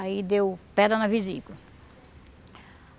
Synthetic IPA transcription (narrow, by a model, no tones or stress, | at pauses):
aid̪ewpɛd̪ɐnɐviziɡlɐ